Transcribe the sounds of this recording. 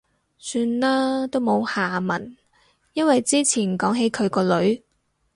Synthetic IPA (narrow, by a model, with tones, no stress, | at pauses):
syː˧nlaː˥t̪o˥wmo˨˧whaː˨mɐ˨˩n | jɐ˥nwɐ˨jt͡siː˥t͡sʰiː˨˩nkɔː˨˥ŋɦe˨˥jkʰɵ˨˧ɥkɔː˧lɵ˨˧˥ɥ